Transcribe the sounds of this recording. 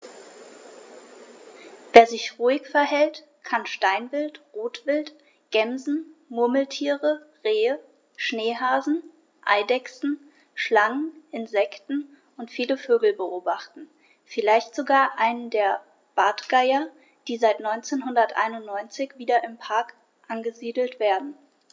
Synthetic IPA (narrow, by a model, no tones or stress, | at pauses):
veːɐzɪçʁ̥uːɪçfɛɐhɛlt | kʰanʃtaɪnvɪltʁoːtv̥ɪlt | ɡ̥ɛmzn̩mʊɐml̩tʰiːʁə | ʁeːə | ʃneːɦaːzn̩ | ʔaɪdɛksn̩ | ʃlaŋənʔɪnzɛktn̩ | ʊntfiːləføːɡl̩bəʔoːbaχtn̩ | fɪlaɪçtz̥oɡaːɐʔaɪnəndeːɐ | b̥aːtɡ̥aɪɐ | d̥iːzaɪtnɔʏnt͡seːnɦʊndɐtʔa̰ɪnʊntnɔʏnt͡sɪçv̥iːdɐʔɪmpʰaɐk | ʔanɡəziːdl̩tv̥eːɐdn̩